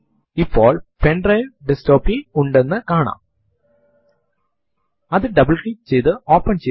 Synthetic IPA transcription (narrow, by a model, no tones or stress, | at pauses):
ipːoːɭpeɳɖrɐjʋɖestoːpːiuɳɖe̞nːɨkaːɳa̰ːm | ɐðɨɖɐbɐɭkit͡ɕe̞jt̪ɨo̞ːpːɐnt͡ɕe